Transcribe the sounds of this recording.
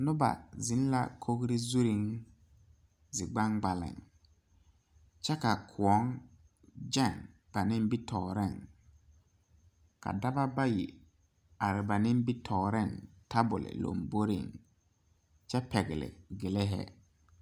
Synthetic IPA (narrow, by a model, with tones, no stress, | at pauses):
nʊ˦ba̰˨zɪ˨˦n˦la̰˦kʰo˦ɡɾɪ˦zu˦ɾi˦ŋ | zɪ˨ɡ͡ba˦ŋɡ͡ba˨lɪ̰˨ŋ | t͡ʃɛ˦ka˨kʰʊ˨ɔ˦ŋ | d͡ʒɛ˦˨ŋ | b̥a˨nɪ˦m˦bi˦tʰɔː˨ɾɛ˦˨ŋ | ka̰˨da˦ba˦ba˦ji˨ | a˨ɾɪ˨ba˨nɪ˦mbi˦tʰɔː˨ɾɛ˦˨ŋta˦bʊ˨lɪ̰˨lo̰˨mbo˦ɾɪ̰˨ŋ | t͡ʃɛ˦pɛ˨ɡɪ˨lɪ̰˨ɡɪ˨lɛ˦ɦɛ̰˦